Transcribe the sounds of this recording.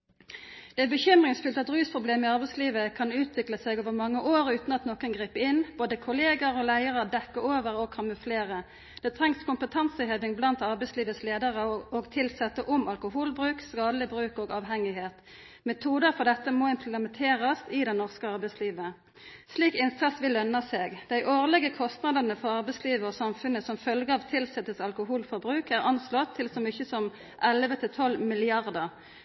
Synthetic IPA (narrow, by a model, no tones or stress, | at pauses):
d̪̥ɛæbəçʏmʁɪŋsfʏlt̪ɑt̪ʁyːspʰʁʊbleːmɪɑʁbɛɪsliːʋəkʰɑnʉːt̪ʰʋɪkləsɛɡoːʋəʁmɑŋːəʔoːʁʉːt̪nɑt̪noːkənɡʁiːpəɪnb̥oːd̪əkʰʊleːɡəʁɔlæɪəʁəd̪ɛkːəoːʋəʁɔɡ̚kʰɑməfleːʁə | d̪̥ɛːt̪ʰʁɛŋskʊmpət̪ʰɑnsəheːʋɪŋblɑnt̪ɑʁbɛɪsliːʋət̪sleːd̪əʁəoːɡt̪ʰɪlsɛt̪ːəʔʊmɑlkʊhuːlbʁʉːkskɑːd̪əlɪbʁʉːkoːɡɑːʋɦɛŋɪɦeːt̪ | mɛt̪ʰuːd̪əʁfɔʁd̪ɛt̪ːəmoɪmpʰləmɛnt̪ʰeːʁɑst̪ɪd̪ɛnɔʁskəɑʁbæɪsliːʋə | sliːkɪnsɑsʋɪlːœnːɑseːɡd̪̥æɪʔoːʁlɛɡəkʰɔst̪nɑd̪ənəfɔʁɑʁbɛɪsliːʋəɔsɑmfʉnəsɔmfœlɡəɑːʋt̪ʰɪlsɛt̪ːəsɑlkʊɦuːlfɔʁbʁʉːkæʁɑnslɔt̪ʰːɪlsɔmʏçːəsɔm | ʔɛlʋət̪ʰɪlt̪ʰɔlmɪlɪɑʁd̪əʁ